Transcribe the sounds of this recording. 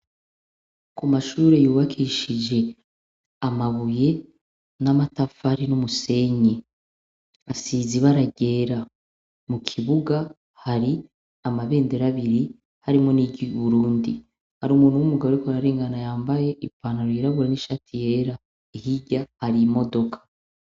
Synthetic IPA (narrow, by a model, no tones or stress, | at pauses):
kumaʃuːɾe̞juːβakʰiʃid͡ʒe̞ | amaβuje̞ | namatafaɾinumuse̞ɲe | βasiːziβaɾaɟe̞ːɾa | mukʰiβuɡa | haɾi | amaβe̞ːnde̞ɾaβiɾi | haɾimŋo̞niːɟiβuɾuːndi | haɾuːmuːnhuwumuɡaβoɾikonaɾiːŋɡanajaːmbaje̞ʔipanaɾojiɾaβuɾeniːʃatʰije̞ːɾa | ihiɟahaɾimo̞do̞kʰḁ